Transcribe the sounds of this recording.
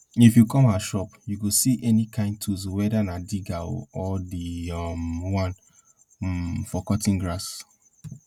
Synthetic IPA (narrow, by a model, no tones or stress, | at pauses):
ifjukɔ̃maʃɔpjuɡosiʔɛnikʰãɪ̃nd̚tʰuzwɛdanadiɡao̰ɔdimwãn | fɔkɔtĩŋɡɾas